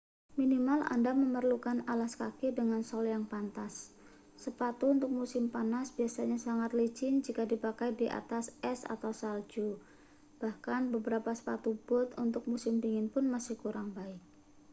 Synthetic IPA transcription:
minimala̰ndaməmərlukanalaskakɪdəŋansɔljaŋpant̪asː | əpat̪unt̪ʊk̚musɪmpanasbiasaɲasaŋat̪lət͡ʃɪnd͡ʒikadipakajdiʔa̰t̪asɛsa̰t̪awsald͡ʒu | b̥ahkanbəbəɾapasə̥pa̰t̪ub̥ʊt̪unt̪ʊk̚musɪmpiŋɪnpʊnmasɪhkuɾaŋbaɪk̚

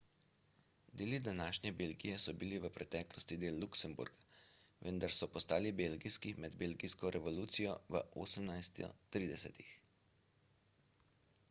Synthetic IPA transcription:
d̪eːlid̪anaːʃnʲɛbeːlɡijɛsɔbiliʋəpɾɛt̪ɛːklɔst̪id̪eːlːuksəmbṵɾɡaʋənd̪aɾsɔpɔst̪aːlibeːlɡijskimɛd̪beːlɡiskɔɾʔɛʋɔluːt̪sijɔʋə̰ʔo̰ːsəmnajst̪ɔ̰t̪ɾiːd̪ɛsɛ̰t̪ix

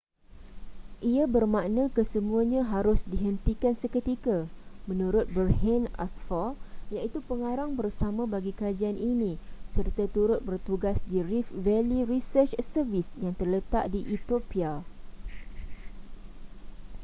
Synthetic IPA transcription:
ʔiabərmãnãkəsəmũãɲãɦaɾʊsdiɦənt̪ikansəkət̪ikamə̃nũɾʊt̪̚bərɦɛna̰sfajaʔit̪upəŋaɾaŋbərsamãbaɡikad͡ʒianʔinĩsərt̪at̪uɾʊt̪̚bərt̪uɡasdirifvɛliɾisərt͡ʃsərvisjaŋt̪ərlət̪aʔdiʔit̪opia

